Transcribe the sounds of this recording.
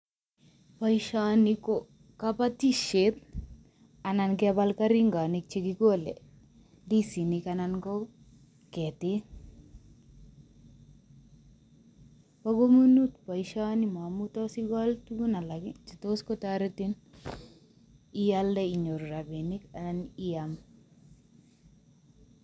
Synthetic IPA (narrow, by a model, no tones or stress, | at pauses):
pɐjʃaniko | kapat̪iʃet̪ | anankɛbalkaɾiŋɡaːnik̚t͡ʃikikolḛ | disinikananko | kɛt̪i | paɡomunut̪pajʃanimamutɔsiɡɔltuɡunalaɡit͡ʃitoskɔtaɾetin | ijaldɛiɲoɾɾabenikananijam